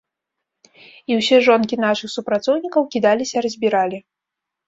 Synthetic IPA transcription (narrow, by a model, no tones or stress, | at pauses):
iwsʲɛʐɔnkʲin̪aʂɨxsupɾat̪sɔwnʲikɐwkʲid̪alʲisʲɐrɐzʲbʲiɾalʲi